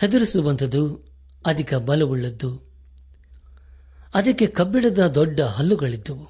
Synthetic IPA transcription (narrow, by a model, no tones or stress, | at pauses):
hed̪ɐɾisuʋɐnt̪ʰɐd̪u | ɐd̪ʱikɐbɐlɐʋuɭːɐd̪ːu | ɐd̪ɐkːe̞kɐbːiɭɐd̪ɐd̪ɔɖːɐɦɐlːuɡɐɭid̪ːɐʋu